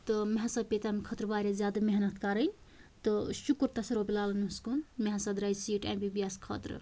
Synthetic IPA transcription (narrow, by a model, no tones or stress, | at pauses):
t̪ɔmeɦãsɐbpet̪amikʰət̪ɾbaɾezjad̪ɐmeɦnɐt̪kaɾənʲ | t̪ɔʃukɾt̪ɐsɐɾobilalənuskunmeɦãsɐd̪ɾajsiʈḛ̃mbibiɛskʰə̰t̪ɾ